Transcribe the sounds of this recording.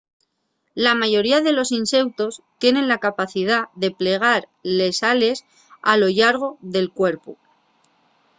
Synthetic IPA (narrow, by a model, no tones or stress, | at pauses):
lamaʝo̞ɾiaðe̞lo̞sinse̞wt̪o̞st̪je̞nẽ̞nlakapaθið̞aðe̞ple̞ɣ̞aɾ | le̞sale̞s | alo̞ʎaɾɣ̞o̞ðe̞lkwe̞ɾpu